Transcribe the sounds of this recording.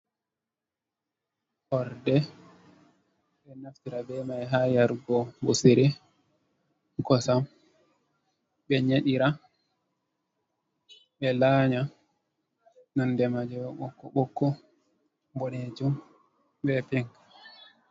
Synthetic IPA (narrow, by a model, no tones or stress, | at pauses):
hɔɾdɛ | ɓɛnaftiɾabɛmajɦajaɾɡɔbusiɾi | kɔsam | ɓɛɲeɗiɾa | ɓɛlaɲa | nɔndɛmad͡ʒɛwɔɓɔkːɔɓɔkːɔ | bɔned͡ʒum | bɛpiŋk